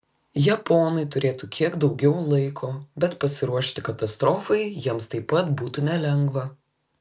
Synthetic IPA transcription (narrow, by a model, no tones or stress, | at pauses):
jɛpoːnɐɪt̪ʊɾʲeːt̪ukʲiɛkd̪ɒʊɡʲɛʊlˠɐɪkʰoːbʲɛt̪pɐsʲɪɾuɔʃʲt̪ʲɪkɐt̪ɐst̪ɾɔːfɐɪjiɛmst̪ɐɪpːɐt̪buːt̪unʲɛlʲɛŋɡʋɐ